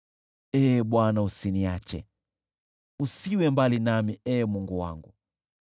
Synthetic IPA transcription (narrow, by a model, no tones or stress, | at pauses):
ɛːɓwanausiniat͡ʃɛ̰ | usiwɛmbalinamiɛːmuŋɡuwa̰ŋɡu